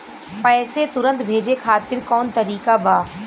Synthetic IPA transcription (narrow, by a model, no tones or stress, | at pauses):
pɛːset̪ʊɾə̃nt̪bʱeːd͡ʒekʰaːt̪ɪɾkɔːnt̪ɐɾiːkabaː